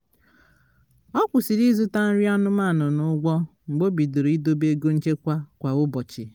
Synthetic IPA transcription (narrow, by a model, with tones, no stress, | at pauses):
ɔ˦kʷʊ˨si˨ɾi˦zʊ˦ta˦n̩˦ɾi˦a˦nʊ˦ma˦˨nʊ˨nʊ˦ɡʷɔ˦ŋ͡m̩˨ɡ͡bo˦bi˨do˨ɾi˦do˦be˦ɡo˦n̩˦t͡ʃe˦kʷa˦kʷa˨ʊ˦bɔ˨t͡ʃɪ˨